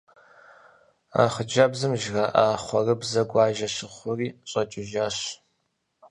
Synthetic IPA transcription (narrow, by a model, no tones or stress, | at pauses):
a̰ːχəd͡ʒɐbzɨmʒɣɐʔaːχʷɔrɨbzɐɡʷɑːʒɐɕɪχʷʊriːɕʼɐt͡ʃʼɪʒaːɕ